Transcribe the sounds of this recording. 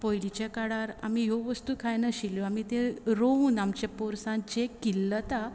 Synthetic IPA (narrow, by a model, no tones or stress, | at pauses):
pɔjlit͡ɕekaɽaɾa̰miɦoʋəst̪ukʰajnəɕiljoam̤it̪ẽɾouːnamt͡ɕepɔɾsãd͡ʑekilːət̪a